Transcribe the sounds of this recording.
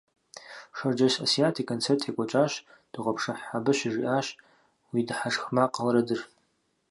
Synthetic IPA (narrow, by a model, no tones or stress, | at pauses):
ʂard͡ʒaʃasiatʰikʰʼːont͡sʰertʰekʷʼat͡ʃʷʼaʃ | d̥ɨqʷʼapʰʂaħːabɨʃɪʐiʔaʃ | widħaʂxmaqʼalɾadɨr